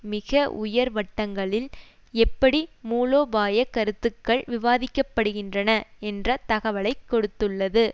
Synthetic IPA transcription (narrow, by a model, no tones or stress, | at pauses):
mɪɣɐʔʊ̰jɐɾʋɐʈːɐŋɡɐɭɪl | ɛpːɐɽimuːloːbaːjɐkːɐɾɯt̪ːɯkːɐɭʋɪʋaːðɪkːɐpːɐɽɯɣɪndrɐnɐɛndrɐt̪ɐɣɐʋɐɭɐɪkːɔɽɯt̪ːɯɭːɐðɯ